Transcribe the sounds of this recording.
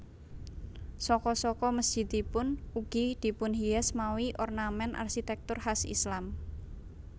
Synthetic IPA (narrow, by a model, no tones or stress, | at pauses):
sɔkɔsɔkɔməsd͡ʒ̥i̤d̪ipʊnuɡ̥id̪̥i̤pʊnɦiɛsmawiʔɔrnamɛnʔa̰rʃit̪ɛk̚t̪ʊrhasḭslam